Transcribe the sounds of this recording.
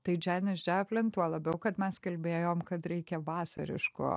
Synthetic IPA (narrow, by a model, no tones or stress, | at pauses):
t̪ɐɪd͡ʒʲæːnʲɪsd͡ʒʲæpʲlʲɪnt̪uɔlˠɐbʲɛʊkɐt̪mʲɛskɐlʲbʲeːjoːmkɐt̪ɾʲɛɪkʲɛʋɑːsɐ̰ɾʲɪ̰ʃkʊ̰